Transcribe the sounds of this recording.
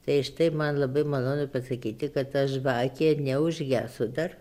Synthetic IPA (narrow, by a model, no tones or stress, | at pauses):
t̪ɐɪɪʃt̪ɐɪmɐnlˠɐbɐɪmɐlˠoːnʊpɐsɐkʲiːt̪ʲɪkɐt̪ɐʃʋɑːkʲenʲɛʊʒʲɡʲæːsʊd̪ɐr